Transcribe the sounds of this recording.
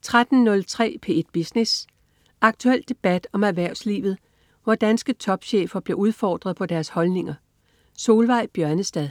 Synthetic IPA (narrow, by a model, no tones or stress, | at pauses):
t͡sʰʁad̥n̩nɔ̽lt͡sʰʁɛ̰ːpʰe̝e̝d̥̚b̥isnes | ʔɑ̈ɡ̥t͡sʰuel̰d̥e̝b̥æd̥ɒ̽mæʋæɐ̰ʊ̰slḭːʋð̞̩ˠ | ʋɒd̥ænsɡ̥ət͡sʰɒ̽b̥ɕḛːfɐb̥le̝uð̞ˠfɒ̰ːd̥ʁɐðˠpʰɒ̽d̥æɐshɒ̽lne̝ŋɐ | so̝ːlʋɑ̈ɪ̰b̥jɶɐnəsd̥æðˠ